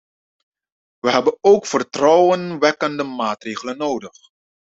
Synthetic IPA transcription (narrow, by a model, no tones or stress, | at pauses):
ʋəɦɛbənowkfərtrɔwənʋɛkəndəmaːtreːχələnːowdəχ